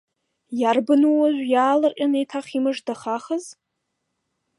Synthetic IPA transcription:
jarbɨnuwaʒᶣʷjaːlɨrʔʲʼanejtʰaχimɨʐdaχaχəz

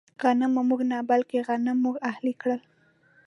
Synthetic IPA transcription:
ɣanəmamuɡnɑbalkeɣanɪmːuɡahlikɽəl

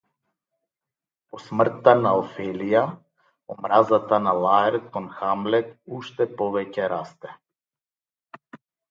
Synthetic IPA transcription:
pɔsmr̩t̪ːanaɔfɛlija | ɔmɾazat̪analˠaɛɾt̪kɔnxamlɛkuʃt̪ɛpɔvɛcɛɾast̪ɛ

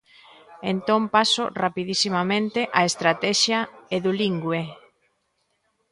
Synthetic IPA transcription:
ent̪õmpasʊrapiðisimamẽnt̪eʔaest̪ɾat̪ɛʃjaeðuliŋɡwe

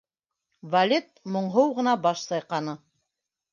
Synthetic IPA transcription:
vɐlʲet̪̚mŏɴɦɤwʁɤ̆nɑbɑʃsɑjqɑnɤ

